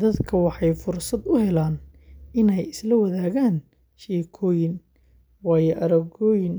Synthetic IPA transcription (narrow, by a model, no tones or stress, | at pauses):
d̪ɐd̪kʰɐwɑħɑjfʊrsɐd̪ʊhɛlaːn | ʔɪnɛjɪslɐwɐðaːɣaːn | ʃɛːkʰɔːjɪn | wɑːjɔʔɐɾɐɡɔːjɪn